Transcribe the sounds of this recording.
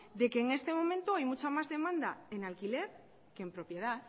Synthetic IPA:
d̪e̞ke̞ːŋe̞st̪e̞mo̞mẽ̞nt̪uajmut͡ʃamazðe̞mand̪aenalkile̞ɾ | ke̞ːmpɾo̞pje̞ð̞at

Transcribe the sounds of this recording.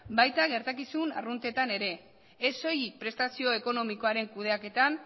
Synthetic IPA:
bajt̪aɣe̞ɾt̪akisuna̰runt̪e̞t̪ane̞ɾe̞ː | so̞jipɾe̞st̪asio̞e̞ko̞no̞miko̞aɾe̞ŋkuð̞e̞ake̞t̪an

